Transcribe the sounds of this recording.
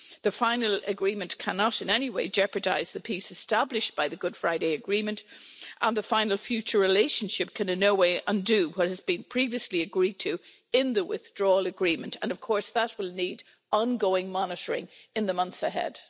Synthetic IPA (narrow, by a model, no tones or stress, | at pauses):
ðɨfãɪ̃nəl̩ˠəɡɹĩmɨ̃nkʰanəɾɨ̃nɛniweɪd͡ʒɛpə˞da̰ɪz̥ðɨpʰisɨstablɪʃb̥aɪðɨɡʊd̥fɹaɪɾeɪɨɡɹĩmə̃ntʔə̃nðəfãɪ̃nl̩ˠfjʉt͡ʃə˞ɹɪleɪʃə̃nʃɪp̚kʰɨ̃nɨ̃nːoʊweɪʔə̃ndɨwʌt̚hɨzbĩnpʰɹ̥iviɨsliɨɡɹid̚tʰɨ | ɪ̃nðəwɪ̰θd̥ɹɔːləɡɹĩmə̃ntə̰̃nʌv̥kʰɔɹsðət̚wɪlˠnid | ɑ̃nɡoʊɪ̃ŋmɑnɨɾə˞ɪ̰̃ŋɨ̃nðəmʌ̃nθsəɦɛ̰d̥